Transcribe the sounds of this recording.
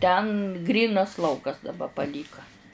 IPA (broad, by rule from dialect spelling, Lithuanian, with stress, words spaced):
tʲɛn ˈɡrʲiːnɐs ˈlˠɐʊkɐs dɐˈbɐ pɐˈlʲiːkɐ